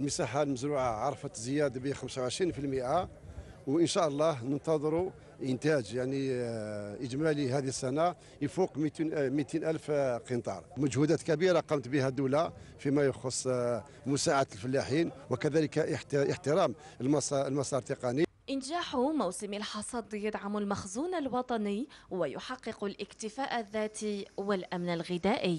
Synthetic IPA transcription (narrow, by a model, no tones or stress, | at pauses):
əlməsaħalməzɾuʕaʕɑɾˤfət̪zəjæd̪bixəmsawʕəʃɾinfilmiʔa | wʔənʃæʔəlˤːɑnənt̪ɑd̪ˤɾu | ʔənt̪æd͡ʒjaʕni | ʔəd͡ʒmælihæd̪isːæna | jfuqmit̪inmit̪inʔælfqint̪ˤɑ̰ɾˤməd͡ʒhud̪æt̪kæbiɾaqɑmət̪bihæd̪ula | fimæjəxəsˤ | mʊsaʕat̪əlfəlːaħinwəkæd̪æləkħəħt̪əɾɑm | mɑsɑlmɑsˤɑɾˤt̪eqɑni | ʔənʒaħumuwsəmilħɑsˤɑd̪jəd̪ʕamulmæxzunalwɑt̪ˤɑnəwəjʊħɑqːəqulʔəkt̪əfæʔəðːæt̪iwəlʔæmnəlɣɪd̪æʔə